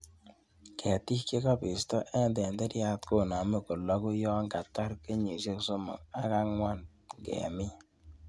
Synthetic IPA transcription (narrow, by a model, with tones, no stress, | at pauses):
kʰɛ˨ti˦ke˦kɔ˦pɪ˨stɔ˦ʔɛ˦ndɛ˨nde˦ɾja˦tko˦˨na˨me˦ko˨lɔ˦ku˦jɔ˦ŋɡa˨ta˦ɾke˦ɲi˨se˦kso˦mo̰˨ŋa˦ka˦ŋwa˦˨n | ŋɡɛ̰˨mɪ˦